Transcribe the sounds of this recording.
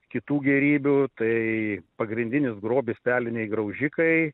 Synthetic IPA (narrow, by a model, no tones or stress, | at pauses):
kʲɪt̪uːɡʲɛɾʲiːbʲut̪ɐɪpɐɡɾʲɪnʲd̪ʲɪnʲɪsɡɾoːbʲɪspʲæːlʲɪnʲɛɪɡɾɐʊʒʲɪkɐɪ